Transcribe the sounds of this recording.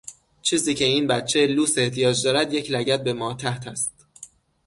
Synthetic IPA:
t͡ʃʰiːziːcʰe̞iːnbæt̪t͡ʃʰeluːse̞ht̪ʰijɒːd͡ʒd̪ɒːɾæd̪je̞cʰlæɟæt̪̚be̞mɒːt̪ʰæht̪ʰæst̪

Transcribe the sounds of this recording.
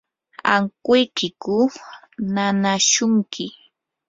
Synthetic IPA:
aŋkʊjkɪkʊ | nanaʃʊŋkʰɪ

